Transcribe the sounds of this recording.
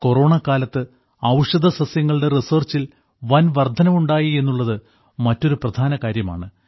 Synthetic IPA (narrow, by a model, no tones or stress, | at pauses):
ko̞ro̞ːɳɐkaːlɐt̪ːɨ | ɐʋʂɐd̪ʱɐsɐsjɐŋːɐɭɨɽe̞risɐrt͡ɕil | ʋɐnʋɐrd̪ʱɐnɐmuɳɖaːjie̞nːuɭːɐðɨ | mɐtːo̞ɾuprɐd̪ʱaːnɐkaːɾjɐma̰ːɳɨ